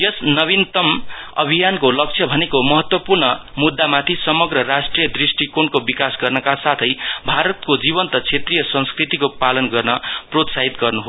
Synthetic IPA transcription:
jʌsnʌβint̪ʌmʌ̰bʱijankolʌk̚t͡sʰjʌbʱʌnekomʌɦʌt̪wʌpurnʌmud̪ːamat̪ʰisʌmʌɡrʌɾasʈrijʌd̪risʈikonkobikasɡʌrnʌkasat̪ʰʌjbʱaɾʌt̪̚kod͡zibʌnt̪ʌt͡sʰet̪rijʌsʌ̃nskrit̪ikopalʌnɡʌrnʌprot̪saɦit̪ɡʌrnuɦo

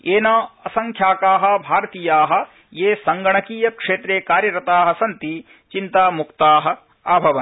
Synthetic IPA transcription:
eːnaːɐsɐŋkʰjaːkaːɦɐ̆bʱaːɾɐt̪iːjaːɦɐ̆ | jeːsɐŋɡɐɳɐkiːjɐkʂeːt̪ɾeːkaːɾjɐɾɐt̪aːɦɐ̆sɐnt̪i | t͡ʃint̪aːmukt̪aːɦɐ̆ | aːbʱɐʋɐn

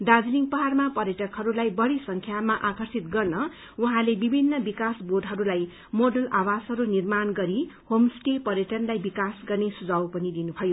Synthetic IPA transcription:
ɖ̪ad͡zliŋpʌɦarmapʌɾjʌʈʌkɦʌɾulajbʌɽisʌŋkʰjamaʔakʰʌrsit̪̚ɡʌrnʌ | uɦãlebibʱinːʌbikasbod̪ʱɦʌɾulaj | moɖʌlawasɦʌɾunirmanɡʌɾihomsʈepʌɾjʌʈʌnlajbikasɡʌrnesud͡zawpʌnid̪inubʰʱʌjo

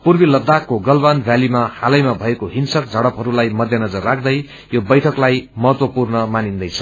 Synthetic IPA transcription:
purbilʌd̪ːakːoɡʌlbanbʱjalimahalʌjmabʱʌekoɦinsʌk̚d͡zʱʌɽʌpɦʌɾulajmʌd̪ʱjʌnʌd͡zʌrːakʰd̪ʌj | jobʌjʈʰʌklajmʌɦʌt̪wʌpurnʌmanind̪ʌjt͡sʰʌ

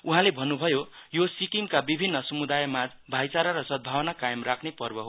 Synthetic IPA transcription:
uɦãlebʱʌnːubʱʌjojosikiŋkabibʱinːʌsʌmud̪ajʌmad͡z | bʱajt͡saɾaɾʌsʌd̪̚bʱawʌnakajʌmrakʰnepʌrbʌɦo

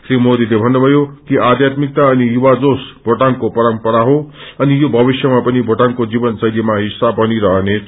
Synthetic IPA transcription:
sɾimod̪ilebʱʌnːubʱʌjokiʔad̪ʱjat̪mik̚t̪aʌnijuwad͡zosbʱoʈankopʌɾʌmpʌɾaɦoʌnijobʱʌbisjʌmapʌnibʱoʈaŋkod͡zibʌnsʌjd̪imaɦisːabʱɦʌniɾʌɦʌne

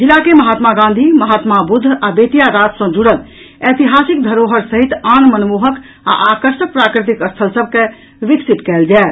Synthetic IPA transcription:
d͡ʒilakeməɦat̪maɡãnd̪ʱiməɦaːt̪mabud̪ʱːabet̪ijaɾat̪sə̃d͡ʒuɽəl | et̪iɦasik̚d̪ʱəɾoɦəɾsəɦit̪anmənmuɦək | a̰ʔakəɾʃək̚pɾakɾit̪̬ikəst̪ʰəlsəb̚ʱke | ʋiksit̪kɛld͡ʒae

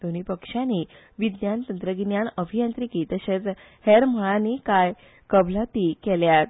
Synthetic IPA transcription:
d̪oñipəkʂjanːi | ʋid̪jant̪ənt̪ɾəɡinjaɳəbʱijant̪ɾikiːt̪əɕet͡s | hɛɾm̤əɭanikaj | kəbʱlat̪iːkɛljat̪̚

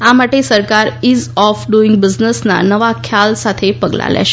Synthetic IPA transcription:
amaʈesəɾkaɾizɔfɖuiŋɡ̚bid͡ʑnəsna̰nəʋakʰjalsat̪ʰepəɡla̰lja̰ʃe̥

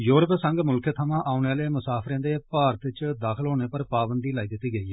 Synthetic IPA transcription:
juːɾəpsəŋɡmʊlkʰet̪ʰəmãːʔaːuneːaːleːmʊsaːpʰɾẽːd̪eːpaːɾt̪ɪt͡ʃd̪aːkʰəlɦoːneːpəɾpaːbənd̪iːlaːiːd̪ɪt̪ːiːɡəiːɦɛː

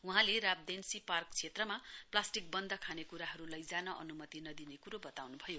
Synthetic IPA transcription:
uɦãlerab̚d̪ensiparkt͡sʰet̪rʌmaplasʈik̚bʌnd̪ʱʌkʰanekuɾaɦʌɾulʌjd͡zanʌʔʌ̰numʌt̪inʌd̪inekuɾobʌt̪awnubʱʌjo

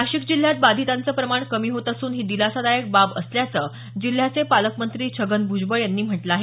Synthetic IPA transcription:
aɕiːkd͡ʑil̤jat̪̚bad̪ʱit̪ant͡səːpɾəmaɳkəmiːɦot̪asuːnɦiːd̪ilasad̪ajək̚babəsljat͡səː | d͡ʑil̤jat͡sepaləkmənt̪ɾiːt͡ɕʰəɡənbʱud͡ʑbəjanːiːm̤əʈlaaɦe

